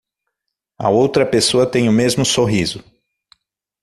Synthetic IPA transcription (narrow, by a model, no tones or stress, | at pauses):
ɐ̰owt̪ɾɐpesoɐt̪ẽj̃ʊmezmʊsoɦizʊ